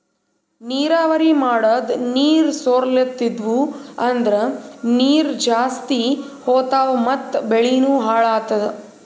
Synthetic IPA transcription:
niːɾaːʋɐɾimaːɽɐd̪niːɾsoːɾlet̪ːid̪ʋuɐnd̪ɐɾeniːɾd͡ʒaːst̪ihoːt̪aːʋɐmɐt̪ːbeɭinuːɦaːɭaːt̪ɐd̪

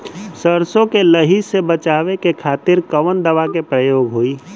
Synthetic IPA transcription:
səɾsõkeləɦisebət͡ʃaːʋekekʰaːt̪ɪɾkəʋənd̪əʋakepɾəjoːɡɦoːiː

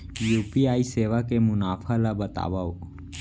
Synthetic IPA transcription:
juːpiaːiseːʋakemʊnaːfʰalabət̪a̰ːʋao

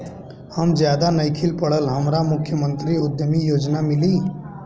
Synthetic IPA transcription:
həmd͡ʒjaːd̪anəikʰɪlpəɽəlɦəmɾamʊkʰjəmə̃nt̪ɾiʊd̪jəmijoːd͡ʒnamɪliː

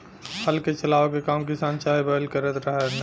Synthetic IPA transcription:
həlket͡ʃɐlaːʋokekaːmkɪsaːnt͡ʃaːibəəlkəɾət̪ɾəɦɛn

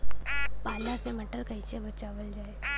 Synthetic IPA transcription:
paːlasemɐʈəɾkɐisebɐt͡ʃaːʋəld͡ʒaːeː

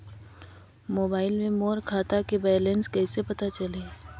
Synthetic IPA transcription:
moːbaːɪlmẽmoːɾkʰaːt̪akebɛːlẽnskɛːsepɐt̪at͡ʃɐleː

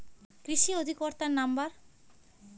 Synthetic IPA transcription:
kɾiʃiod̪ʱikoɾt̪aɾnambaɾ

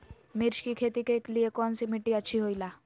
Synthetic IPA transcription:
miɾʃkikʰet̪ikekliekɔnsimiʈiat͡ʃʰiɦojla

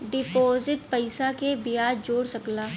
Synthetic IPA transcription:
ɖɪpoːzɪʈpɐɪsakebɪjaːdd͡ʒoːɽsɐklaː

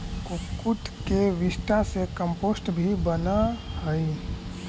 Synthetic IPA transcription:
kʊkʊt̪keʋɪsʈ̪asekə̃mpoːsʈbʱibənahɛi

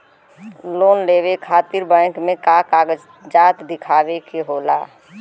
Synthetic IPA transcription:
loːnleːwekʰaːt̪ɪɾbɛ̃ːkmẽkaːkaːɡəd͡ʒ | d͡ʒaːt̪d̪ɪkʰaːwekeɦoːla̰ː

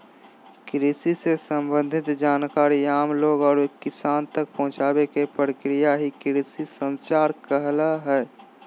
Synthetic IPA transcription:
kɾisisesə̃mbə̃nd̪ʱɪt̪d͡ʒaːnkaːɾiaːmloːɡɔːɾekːɪsaːnt̪ək̚pəɦʊ̃t͡ʃaːbekepɾəkɾijaɦikɪɾisisə̃nst͡ʃaːɾkəɦlaɦɛː

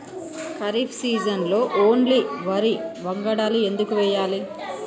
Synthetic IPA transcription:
kɐɾipʰsiːd͡ʒɐnlo̞ːʔoːɳliʋɐɾiʋɐŋɡɐɽaːlue̞nd̪ukuʋɛjːaːli

